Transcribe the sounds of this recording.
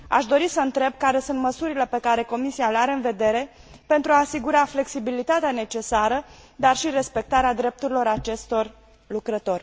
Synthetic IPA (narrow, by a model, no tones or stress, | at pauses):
a̰ʃd̪o̞ɾisəɨnt̪ɾe̞b̚kaɾe̞sunt̪məsuɾile̞pe̞kaɾe̞ko̞misialeaɾe̞ɨnve̞d̪e̞ɾe̞ | pe̞nt̪ɾuaːsiɡuɾafle̞ksibilit̪at̪eane̞t͡ʃe̞saɾəd̪arʃire̞spe̞k̚t̪aɾead̪ɾe̞p̚t̪uɾilo̞ɾat͡ʃe̞st̪o̞r | lukɾət̪o̞rʲ